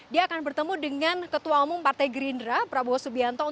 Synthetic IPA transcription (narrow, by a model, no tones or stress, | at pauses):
diaːkanbərt̪əmudəŋankət̪uaumʊŋpart̪ajɡəɾindɾapɾaboɦɔsubiant̪ɔu